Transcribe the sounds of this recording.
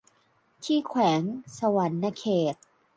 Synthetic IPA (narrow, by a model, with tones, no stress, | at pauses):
t̪ʰiː˥˩kʰwɛː˩˦ŋsa˧wa˨˦nːa˧kʰeː˨˩t̪̚